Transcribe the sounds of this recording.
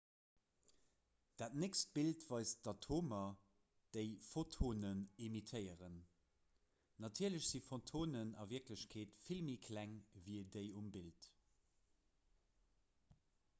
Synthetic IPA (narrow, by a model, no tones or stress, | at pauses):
d̥aːtnekst̚b̥iltvɑɪsd̥ɑtʰoːmɐ | d̥əɪfotʰoːnənemitʰəɪəʁən | nɑtʰiːɐləɕz̥ifontʰoːnənɑ̰viɐkləɕkʰeːtfilmikʰlæŋviədəɪumbilt